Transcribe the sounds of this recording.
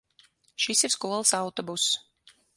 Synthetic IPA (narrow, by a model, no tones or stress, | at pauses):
ʃisiɾskuɔlˠsawt̪ɔbus